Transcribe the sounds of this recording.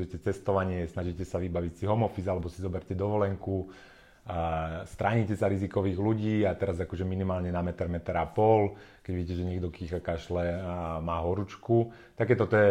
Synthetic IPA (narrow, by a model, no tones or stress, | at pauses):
jɛcɛt͡sɛst̪ɔʋaɲɪɛsnaʒicɛsaʋibaʋicsiɦɔmɔfizalɛbɔsizɔbɛɾcɛd̪ɔʋɔlɛŋku | st̪ɾaɲicɛsaɾizikɔʋiːɣluɟiːat̪ɛɾazakɔʒɛminimaːlɲɛnamɛt̪ɛɾmɛt̪ɾapɔlkɛɟʋiɟiːcɛʒɛɲɛɡd̪ɔkixkaʃlɛmaːɦɔɾut͡ʃku | t̪akɛːt̪ɔt̪ɔɛ